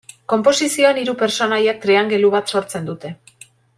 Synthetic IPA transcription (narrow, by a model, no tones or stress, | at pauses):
ko̞mpo̞sisio̞eniɾupe̞ɾt͡so̞najak̚t̪ɾeaŋɡe̞luβat̪so̞ɾt͡se̞nd̪ut̪e̞